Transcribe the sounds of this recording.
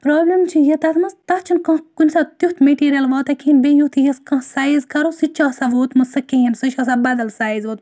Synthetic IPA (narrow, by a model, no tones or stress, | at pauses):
pɾoːblʲimt͡ʃʰijit̪ɐt̪ʰmɐst̪ɐt̪t͡ʃʰinkɐ̃kunʲsɐt̪jut̪meʈiːɾʲijɐlʋɐːt̪ɐkʰʲembẽjut̪ʰijiskɐ̃ɦsaːjizkɐɾosit͡ʃʰɐsaʋoːt̪mɨsɨkejimsɨt͡ʃʰɐs̬abɐd̪ɐlsaːizʋoːt̪